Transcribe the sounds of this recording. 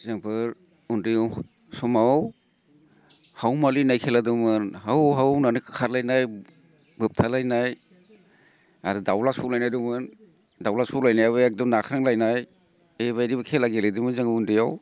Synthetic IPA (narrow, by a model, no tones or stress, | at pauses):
zɯŋbʰɯɾ | undɯjw | sɔmaw | hawmalinajkʰeladɯmɯnhawɦawnanɯkʰaɾlajnaj | bɯp̚tʰalajnaj | aɾɯdawlasulajnajdumɯn | dawlasulajnajaβɯɛk̚dɔmnakʰɾaŋlajnaj | eβajdibakʰelaɡeledɯmɯzaŋɯundɯjaw